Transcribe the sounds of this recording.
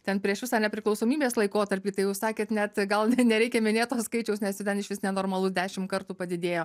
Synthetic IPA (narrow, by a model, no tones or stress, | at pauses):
t̪ʲɛnpʲɾʲiɛʃʋʲɪsɑːnʲɛpʲɾʲɪklˠɐʊsoːmʲiːbʲeːslˠɐɪkoːt̪ɐɾʲpʲiːt̪ɐɪjɛʊssɑːkʲeːt̪nʲɛt̪ɡɐlˠnʲɛɾʲɛɪkʲɛmʲɪnʲeːt̪oːskɐɪt͡ʃʲɛʊsnʲɛsjʲɪt̪ʲɛnɪʃʋʲɪsnʲɛnoːrmɐlˠud̪ʲæːʃʲɪmkɐrt̪uːpɐd̪ʲɪd̪ʲeːjoː